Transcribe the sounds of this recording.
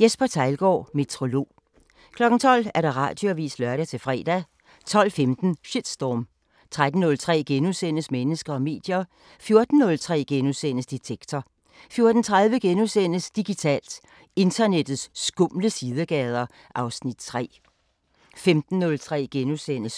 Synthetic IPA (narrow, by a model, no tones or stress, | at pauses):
jesb̥ɐt͡sʰɑ̈ɪlɡ̥ɒ̰ːme̝t͡sʰʁo̝lo̝̰ː | kʰlɒ̽ɡ̥n̩t͡sʰɒ̽l̰æɐɾ̥ɑ̈ʁɑ̰̈ːd̥joʋḭːslɶɐɾæt͡sʰe̝lfʁɛ̰ːd̥æ | t͡sʰɒ̽l̰femd̥n̩ʃid̥sd̥ɒːm | t͡sʰʁad̥n̩ːɔ̽lt͡sʰʁɛ̰ːɡ̥enusen̰əsmenəsɡ̥ɐɒ̽me̝̰ːd̥jɐ | fjo̝ɐd̥n̩ːɔ̽lt͡sʰʁɛ̰ːɡ̥enusen̰əsd̥it͡sʰeɡ̥t͡sʰɒ | fjo̝ɐd̥n̩t͡sʰʁaðˠʋəɡ̥enusen̰əsd̥iɡ̥it͡sʰɛ̰ːld̥ | e̝nd̥ʰɐned̥ð̩ˠsːɡ̥ɔmləsið̞ˠəɡ̥ɛːð̞ˠɐ | ʔɑ̈ʊsnid̥̚t͡sʰʁɛ̰ː | femd̥n̩ːɔ̽lt͡sʰʁɛ̰ːɡ̥enusenəs